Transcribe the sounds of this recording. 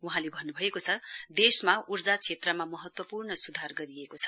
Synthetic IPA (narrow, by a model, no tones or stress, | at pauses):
uɦãlebʱʌnːubʱʌekot͡sʰʌd̪esmaurd͡zat͡sʰet̪rʌmamʌɦʌt̪wʌpurɳʌsud̪ʱarɡʌɾiekot͡sʰʌ